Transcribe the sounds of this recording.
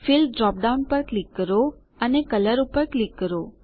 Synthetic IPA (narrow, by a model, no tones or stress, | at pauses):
filɖɾɔp̚ɖaunpəɾklikːəɾo | ənekələɾupəɾklikːəɾo